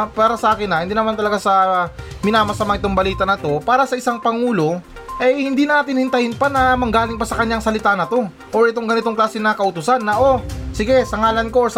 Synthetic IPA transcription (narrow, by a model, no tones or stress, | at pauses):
paːɾɐsɐʔaːkɪnɐhɪnd̪iːnɐmant̪ɐlɐɡasɐmɪnaːmɐsɐmaŋɪt̪o̞ŋbɐliːt̪ɐnɐt̪o̞paːɾɐsɐʔɪsaŋpɐŋuːlo̞ | ʔɐjhɪnd̪iːnaːt̪ɪnhɪnt̪ɐhɪnpɐnɐmɐɡaːlɪŋpɐsɐkɐɲːaŋsɐlɪt̪anɐt̪o̞ | ʔoɹɛt̪o̞ŋɡɐnɪt̪o̞ŋklaːsɪnɐkɐʔʊt̪ʊsanːɐʔo̞sɪɡɛsɐŋaːlɐnko̞os